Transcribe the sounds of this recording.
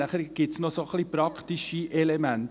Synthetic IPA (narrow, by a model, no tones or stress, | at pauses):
æχəɾɡ̥ɪtsnosoχliːpɾɑkʰtiʃiʔɛlɛmænt